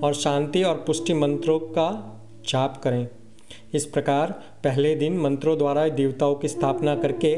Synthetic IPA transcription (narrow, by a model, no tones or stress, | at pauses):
ɔːɾʃãːnt̪iɔːɾpʊʃʈimə̃nt̪ɾõka | t͡ʃaːpkɐɾẽː | ɪspɾɐkaːɾ | pɛɦled̪ɪnmɐ̃nt̪ɾõd̪waːɾaed̪eːʋt̪aõkist̪ʰaːpnakɐɾke